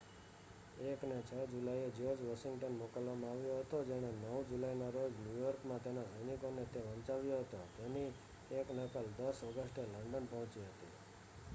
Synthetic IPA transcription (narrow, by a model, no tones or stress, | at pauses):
eknet͡ʃʰəd͡ʒulaied͡ʒed͡ʒʋaʃɪ̃ŋɡʈənmokəlʋamãaʋjoɦət̪od͡ʒeɽ̃enəwd͡ʒulainoɾod͡ʒnjujɔɾkmãt̪enazəjnikonet̪eʋə̃nt͡ʃaʋjoɦət̪ot̪eni | eknəkəld̪əsɔɡəsʈeləɳɖənpəɦɔ̃t͡ʃiɦət̪ḭ